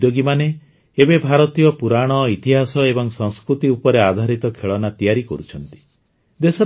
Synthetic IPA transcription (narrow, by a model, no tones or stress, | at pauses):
joɡimane | ebebʱaɾɔt̪ijɔpuɾaɽ̃ɔit̪iɦasɔebɔŋsɔŋskɾut̪iupɔɾead̪ʱaɾit̪ɔkʰeɭɔnat̪ijaɾikɔ̰ɾut͡ʃʰɔnt̪i̥ | d̪esɔ